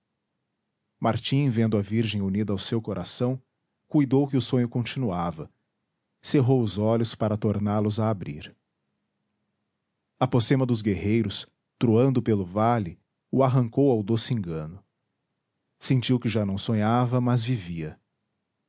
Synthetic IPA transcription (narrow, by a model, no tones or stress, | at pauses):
maɾt͡ʃĩvẽnd̪ʊɐviɾʒẽj̃unid̪ɐawsewkoɾʔasɐ̃w̃ | kujd̪owkɪʊsõɲʊkõnt͡ʃinuavɐ | seɦowʊzɔlʊspaɾɐt̪oɾnaɾlʊzaːbɾḭɾ | ɐposẽmɐd̪ʊzɡeɦejɾʊs | t̪ɾuɐ̃nd̪ʊpelʊvalɪ | ʊaɦɐ̃ŋkowawd̪osɪẽŋɡɐ̃nʊ | sẽnt͡ʃiwkɪʒanɐ̃w̃sõɲavɐmɐzviviɐ